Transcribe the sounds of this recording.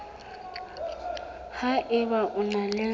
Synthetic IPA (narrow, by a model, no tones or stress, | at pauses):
haʔɪbaʔʊnalɛ